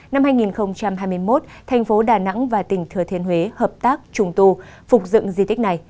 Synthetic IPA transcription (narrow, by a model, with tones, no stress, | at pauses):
na˧mhaː˧jŋi˨˩nxə˧wŋ͡mt͡ɕa˧mhɦaː˧jmɨ˧əjmo˦˥t̚t̪ʰɛ˨˩jŋ̟fo˨˦ɗaː˨˩na̰˧˥ŋvaː˨˩t̪ï˨˩ŋ̟t̪ʰɨ˨˩ət̪ʰi˧ənhwe˨˦həː˨˩p̚t̪aː˦˥k̚t͡ɕʊ˧ŋ͡mt̪u˧fʊ˨˩k͡p̚zɨ̰˧˨ŋzi˧t̪ï˦˥k̟̚na˨˩j